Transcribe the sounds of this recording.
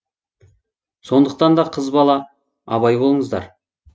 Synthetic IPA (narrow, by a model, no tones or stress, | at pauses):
so̞nd̪əq̚t̪ɑnd̪ɑqʰəzbɑlˠɑ | ɑ̰bɑjbo̞lˠəɴəzd̪ɑ̰ɾ